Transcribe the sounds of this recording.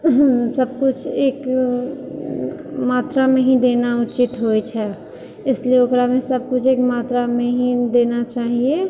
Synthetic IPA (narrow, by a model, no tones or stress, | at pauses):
səb̚kʊt͡ʃʰeːk | maːt̪ɾamẽɦĩd̪eːnaʊt͡ʃɪt̪ɦojt͡ʃʰɛ | ɪslieokɾamẽsəb̚kʊt͡ʃʰeːkmaːt̪ɾamẽɦĩd̪eːnat͡ʃaːɦie